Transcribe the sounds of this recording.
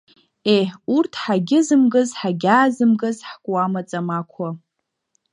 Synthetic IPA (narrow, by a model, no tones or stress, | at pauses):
eħurtʰħaɡʲɪzɨmɡɨzħaɡʲaːzɨmɡɨzħkʷʼwamat͡sʼamakʷʰa